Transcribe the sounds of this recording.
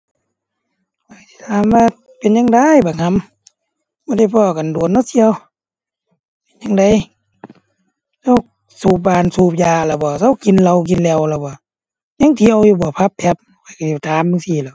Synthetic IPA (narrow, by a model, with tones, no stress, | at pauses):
ka˧˩˨sʰi̥˧t̪ʰaː˨˦mʋaː˧˨ | pe˨nɲa˧ŋda˧˥˨jba˨˩ŋʰa˧˥˨m | bɔː˧˦da˧˩jpʰɔː˧˨ka˨ndu˨ənːɔ˧si˧˨ə˧w | pe˨˧˨nɲa˧ŋda˧˨j | sa˧˥˩w | suː˧˩p̚baː˧˨nsuː˧˩p̚jaː˧la˧˩bɔː˧˩sa˧˨wki˨nla˧wk̬i˨nlɛː˧˨wla˧bɔː˧˩ | ɲa˧˨ŋt̪ʰiː˧ʔa˧˨wjuː˧˩bɔː˧˩˦pʰa˧˦p̚ʰːɛ˧p̚ | ka˧˨ka˨˩si˧˩t̪ʰaː˨˦mːɯ˧ŋsiː˧˨la˧˩w